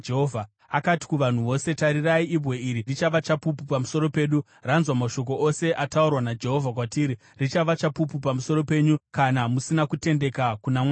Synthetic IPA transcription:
d͡ʒeɦovʱa | akati̥kuʋan̤uʋo̞se̞taɾiraiibʱwe̞iɾirit͡ʃaʋat͡ʃapupupamuso̞ɾo̞pe̞ːɗu | ranzwamaʃo̞k̬o̞ʔo̞se̞ʔataurwanad͡ʒe̞ɦo̞vʱakwatiːɾi | rit͡ʃaʋat͡ʃapupupamuso̞ɾo̞pe̞ɲukanamusinakute̞nde̞kakunama

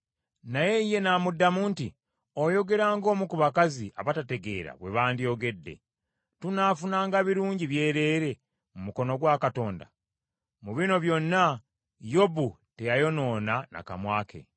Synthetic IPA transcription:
naje̞ije̞naːmudːamuːnti | o̞jo̞ɡe̞ɾaːŋɡo̞ːmukuβakaziʔa̰βatate̞ɡe̞̰ːɾa̰βwe̞βaːndio̞ɡe̞dːe̞̰ | tunaːfunaːŋɡaβiɾuːɲɟiβje̞ːɾe̞ːɾe̞ | mumuko̞no̞ɡwaːkato̞ːnda̰ | muβino̞βjo̞nːa | jo̞bu | te̞jajo̞no̞ːnana̰ka̰mwaːkʰe̞̰

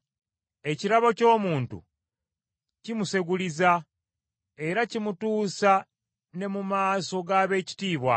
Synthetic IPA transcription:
e̞ciɾaβo̞co̞ːmuːntṵ | cimuse̞ɡuliza | e̞ɾacimutuːsa | ne̞mumaːso̞ɡaːβe̞ːci̥tiːβwa̰

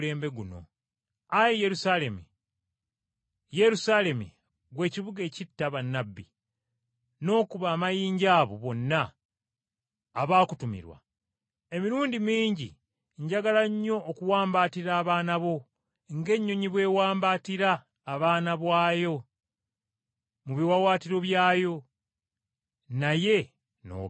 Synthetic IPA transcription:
le̞ːmbe̞ɡuno̞̰ | ajije̞ɾusale̞mi | je̞ɾusaːle̞mḭ | ɡwe̞ːciβuɡe̞ːcitːaβanːabːḭ | no̞ːkuβaːmajiːɲɟaːβoβo̞nːa | βaːkutumḭɾwa̰ | e̞miɾuːndimiːɲɟi | ɲɟaɡalaɲːo̞ːkuwaːmbaːtiɾaːβaːnaβo̞ | ŋɡe̞ɲːoɲiβwe̞ːwaːmbaːtiɾaː | βaːnaβwaːjo̞ | muβiwawaːtiɾo̞βjaːjo̞ | naje̞ | no̰

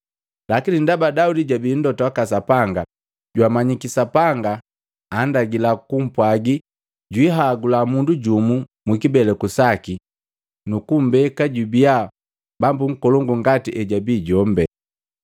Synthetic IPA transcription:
lakinindabadaudiɟabiːn̩dɔtawakasapaŋɡa | ɟwamaɲikisapaŋɡaː | ndaɡilakum̩pwaɡi | ɟwiɦaɡulamunduɟumu | mikibɛlɛkusaki | nukum̩bɛkaɟubia | bambuŋ̩kɔlɔŋɡuŋɡatiʔɛɟabiːɟɔmbɛ

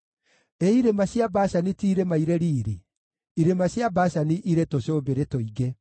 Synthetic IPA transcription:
eiɾemaɕjabaɕanitiːɾemaiɾeɾiːɾi | iɾemaɕjabaɕaniʔiɾetoɕoβbeɾetoiɡe

